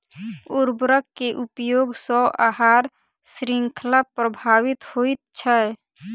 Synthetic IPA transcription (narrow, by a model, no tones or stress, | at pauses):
uɾbɾəkːeʔupjoːɡsɔʔaɦaːɾ | sɾɪŋkʰəlapɾəbʱaːʋɪt̪hoit̪̚t͡ʃʰə